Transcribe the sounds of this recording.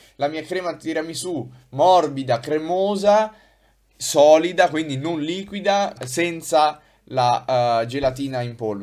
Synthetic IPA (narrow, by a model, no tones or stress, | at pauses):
lamiːakɾɛːmat̪ːiːɾamisu | mɔrbid̪akɾemoːza | sɔːlid̪akwind̪inonliːkwid̪asɛnt̪sa | lad͡ʒelat̪̬iːnaimpolv